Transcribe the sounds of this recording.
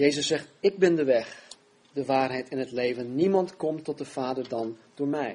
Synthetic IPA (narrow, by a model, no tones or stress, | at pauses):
jejzəsːɛχtɪɡ̚bɪndəʋɛχ | dəʋaːɹɦɛjtɪnɦətlejvənːimɑntkɔmtɔt̚dəv̥aːdəɹdɑnd̥ʊːɹmɛj